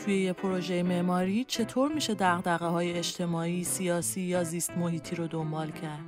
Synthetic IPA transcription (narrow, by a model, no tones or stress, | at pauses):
t̪ʰujejepʰoɾo̞ʒe̞jeme̞ʔmɒːɾiːt͡ʃʰe̞t̪ʰoːɾmiːʃe̞d̪æɣd̪æɣeɦɒːjeeʃt̪ʰe̞mɒːiːsiɒːsiːjɒːziːst̪mo̞hiːt̪ʰiːɾod̪o̞mbɒːlcʰæɾd̪̥